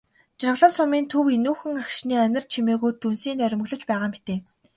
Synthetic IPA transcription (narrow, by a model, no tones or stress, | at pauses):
t͡ɕarʁə̆ɮə̆ɮsʊmiːnt̪ʰuwenuːxɘ̆ŋaxʃniːœnʲɪ̆rt͡ɕʰimeːɣujt̪ːunsiːnœɾʲɪ̆m̆ɣɮɞ̆t͡ɕpæːʁaːmit̪eː